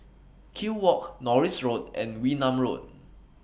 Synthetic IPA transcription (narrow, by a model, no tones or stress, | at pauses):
kʰiwɔk̚nɔɹisɹod̚ʔɛ̰̃nwinãmɹo̰d̚